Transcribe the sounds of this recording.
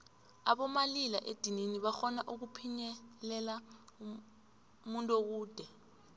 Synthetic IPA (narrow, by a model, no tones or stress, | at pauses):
aɓɔmalilaʔed̥ʱininiɓaxɔnaʔuk̬upʰiɲɛlɛla | muntʼok̬uːd̥ʱɛ